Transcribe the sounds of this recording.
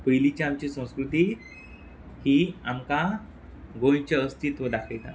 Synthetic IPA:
pəjlit͡ɕiamt͡ɕisə̃w̃skɾut̪iː | hiːamka | ɡõjt͡ɕeəst̪ʰit̪ʋod̪akʰəjt̪a̰

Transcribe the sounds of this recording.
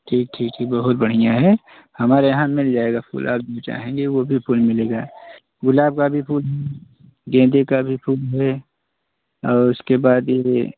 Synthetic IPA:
ʈʰiːk̚ʈʰiːk̚ʈʰiːk̚bɐɦʊt̪̚bɐɽ̤ijãɦɛ | hɐmaːɾejɐɦãmɪld͡ʒaːeɡapʰṵːlʔa̰ːp̚d͡ʒot͡ʃa̰ːɦẽŋɡeʋobʱipʰuːlmɪleːɡaː | ɡʊlaːb̚kabʱipʰuːlɦɛ | ɡẽːd̪ekabʱipʰuːlɦɛ | ɔːɾʊskebaːd̪je

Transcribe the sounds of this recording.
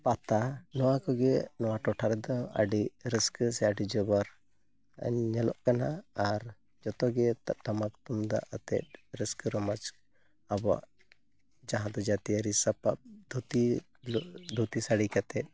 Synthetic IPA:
pat̪anɔwakɔɡenɔwaʈɔʈʰaɾd̪ɔa̰ɖiɾəskəsɛaɖid͡ʒɔbɔɾ̰ | ɲɛlɔ̰ʔkanaːɾ | d͡ʒɔt̪ɔɡet̪ʈɐmakt̪umd̪a̰ʔət̪ɛ̰t̚ɾəskəɾɔmat͡ʃ | abɔ̰ʔ | d͡ʒaɦãd̪ɔd͡ʒat̪iaɾisɐpap̚d̪ʱut̪i | lɔd̪ʱut̪isaɽikat̪ɛt̚

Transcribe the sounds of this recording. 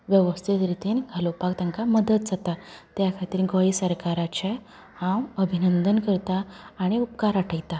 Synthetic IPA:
ʋjəʋəst̪ʰit̪ɾit̪iːnɡʱəlopakt̪ãŋkaməd̪ət̪d͡zat̪at̪jakʰat̪iːɾɡoisəɾkaɾat͡ɕe | hãwəbʱinənd̪ənkəɾt̪aːɽ̃iup̚kaɾaʈʰəjt̪a

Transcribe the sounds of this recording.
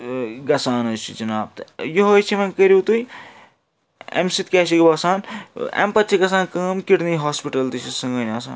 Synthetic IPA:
ɡɐsaːnot͡ʃʰid͡ʒɐnaːb̚t̪joɦoːjt͡ʃʰimɐnkəɾiwt̪uj | ḛmsit̪̚kʲaːsikbɐsaːnḛmpɐt̪ːt͡ʃʰiɡɐsaːnkɐmkiʈniɦaːspiʈɐlt̪it͡ʃʰisɐ̃ŋɡɐjnʲɐsa̰ːn

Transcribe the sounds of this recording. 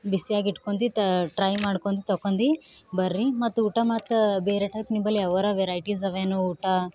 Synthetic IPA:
bisiaːɡiʈkond̪iʈɾɐjmaːɽkond̪it̪ɔkːond̪ibɐɾːimɐt̪ːuuːʈɐmaːt̪ɐbeːɾeʈɐjpnibɐlːiɐʋɐɾɐʋeɾɐjʈisɐʋeːnuuːʈa

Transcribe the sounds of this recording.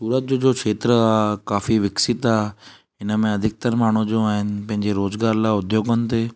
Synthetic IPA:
suːɾət̪̚d͡ʑod͡ʑoːkʰeːt̪ɾəaːkaːfiʋɪksɪt̪aː | ɪnə̆mẽɐd̪ʱɪk̚t̪əɾmaːɳ̤ud͡ʑoaːɦɪnɪ̆pɐ̃ɦɪ̃ɲd͡ʑeɾoːzɡaːɾlaːʊd̪ʱjoːɡənɪ̆t̪ʰeː

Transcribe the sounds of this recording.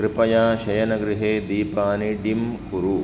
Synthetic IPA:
kɾɪpɐjaːʃɐjɐnɐɡɾɪɦeːd̪iːpaːniɖimkuɾu

